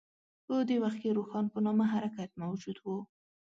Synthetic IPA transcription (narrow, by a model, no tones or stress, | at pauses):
pəd̪ewaxt̪̚keɾoxɑnpənɑmaɦaɾakat̪̚mawd͡ʒud̪wu